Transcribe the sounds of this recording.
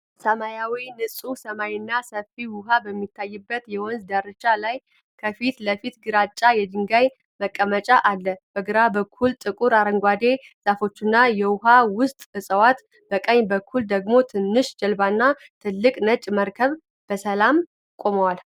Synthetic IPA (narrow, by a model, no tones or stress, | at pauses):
səmajawinɨsʼusəmajɪnːasəfiwʊɦabəmːit̪ʰːajːɨbːət̪jɛwɔnzd̪aɾɨt͡ʃːalaj | kʰəfit̪ləfit̪ɡɨɾat͡ʃʼːajɛd̪ɨŋɡaj | məkʼːəmət͡ʃʼaʔalːəb̥əɡɨɾabəkʰːult̪ʼɨkʼuɾaɾəŋɡʷad̪e̞ | sʼafo̞t͡ʃːɪnːajɛwʊɦawʊst̪ʼɨsʼəwat̪ | bəkʼəɲːbəkʰːuld̪əɡmo̞t̪ʰɨnːɨʃd͡ʒɛlbanːat̪ʰɨlːɨkʼnət͡ʃʼməɾkʰəβ | b̥əsəlam | kʼo̞məwal